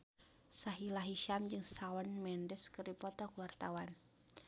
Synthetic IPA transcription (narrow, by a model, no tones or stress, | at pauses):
saɦilaɦiʃamd͡ʒɨŋsawanmɛndəskəɾipɔt̪ɔkuwart̪awan